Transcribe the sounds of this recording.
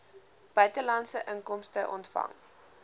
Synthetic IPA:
b̥œɥtəlɐntsəʔəŋkɔmstəʔɔntfɐ̰ŋ

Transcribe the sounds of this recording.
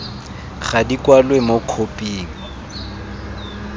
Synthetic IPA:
χadikʼwalwemokʰopʼiːŋ̩

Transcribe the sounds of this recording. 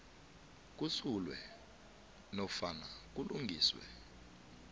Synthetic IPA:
k̬ʼusulwɛ | nɔfanak̬uluŋɡʱiːswɛ̰

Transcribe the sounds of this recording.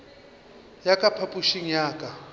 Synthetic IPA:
jakʼapʰapʼuʃiŋ̩jaːkʼa

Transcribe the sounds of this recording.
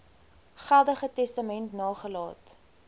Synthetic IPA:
χælˠdəχətɛstɐmɛntnɑːχəlɑ̰ːt

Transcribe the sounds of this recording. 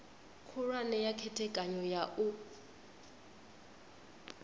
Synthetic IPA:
kʰʊrwanɛjakʰɛtʰɛkʼaɲɔjaʔʊ

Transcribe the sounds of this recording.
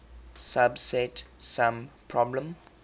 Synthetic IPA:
sabsɛtsãmpʰɹɔblə̃m

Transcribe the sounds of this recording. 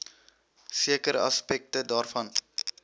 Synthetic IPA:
siəkəɾɐ̰spɛk̚tədaːrfɐn

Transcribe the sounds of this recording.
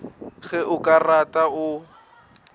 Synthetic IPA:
ɣɛʔʊkʼaratʼaʊ

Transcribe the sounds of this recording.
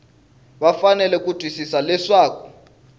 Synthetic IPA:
ɓafanɛlɛk̬ʼud̥ʱwisisalɛʂaːkʰɔ̥

